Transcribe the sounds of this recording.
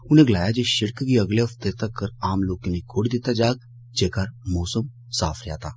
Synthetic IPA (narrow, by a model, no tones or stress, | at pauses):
ʊnẽɡlaːjad͡ʒeʃɪɽkɡiəɡleɐft̪et̪ɐkːəɾaːmloːkenekʰoɽd̪ɪt̪ad͡ʒaːɡ̚ | d͡ʒeːkaɾmɔːsəm | sa̰ːfʰɾɪja̰ːt̪aː